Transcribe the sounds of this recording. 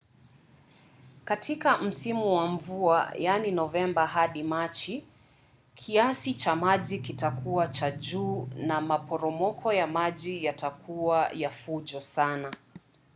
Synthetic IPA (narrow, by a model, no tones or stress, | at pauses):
katʰikam̩simuwaɱvua̰janinɔvɛmbaɦaɗimat͡ʃi | kʰiasit͡ʃamaʄikitakuwat͡ʃaʄuːnamapɔɾɔmɔkʰɔjamaʄijatakʰuajafuʄɔsana